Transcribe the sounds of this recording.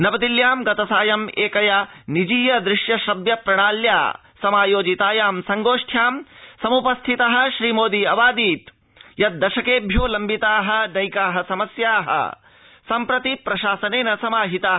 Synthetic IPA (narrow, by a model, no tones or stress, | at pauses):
nɐbɐd̪iljaːmɡɐt̪ɐsaːjɐmeːkɐjɐnid͡ʒiːjɐd̪ɾɪʃjɐʃɾɐbjɐpɾɐɳ̃aːlja̰ː | sɐmaːjoːd͡ʒit̪aːjaːmsɐŋɡoːʂʈʰjaːmsɐmupɐst̪ʰit̪ɐɦɐ̆ʃɾiːmoːd̪iɐʋaːd̪iːt̪ | jɐt̪̚d̪ɐʃɐkeːbʱjoːlɐmbit̪aːɦɐ̆nɐjkaːɦɐsɐmɐsjaːɦɐ̰ | sɐmpɾɐt̪ipɾɐʃaːsɐneːnɐsɐmaːɦit̪aː